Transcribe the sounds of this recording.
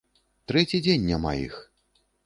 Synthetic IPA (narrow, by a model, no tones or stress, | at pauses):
t̪ɾɛt͡sʲid͡zʲenʲːama̰jḭx